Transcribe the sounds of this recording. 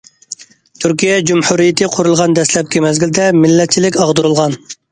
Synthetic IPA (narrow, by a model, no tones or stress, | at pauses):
t̪ʰyɾkʲijɛd͡ʒumhuɾijɪt̪ʰɨqʰʊɾulˠʁɑnd̪ɛslɛp̚kʲɛmɛzɡʲild̪ɛmɪlːɛt̪̚t͡ʃʰilɪkʲɑʁd̪uɾulˠʁɑn